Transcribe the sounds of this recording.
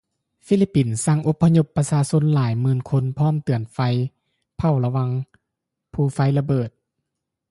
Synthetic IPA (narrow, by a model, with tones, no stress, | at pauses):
fi˧˨li˦˥pːi˨˩nsa˧˥˨ŋʔo˧pʰːa˧ɲo˧pːa˧saː˧so˧˥nlaː˨˩˦jmɯː˧˥nkʰo˧˥npʰɔː˥˨mt̪ɯ˨˩ənfa˧j | pʰa˧˩wla˧wa˧ŋ | pʰuː˧˩fa˧jla˧bɤː˨˩t̪̚